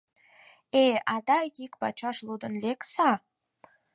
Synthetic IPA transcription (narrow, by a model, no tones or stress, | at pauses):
eɑd̪ɑjikpɑt͡ɕɑʃlud̪ə̆nleksɑ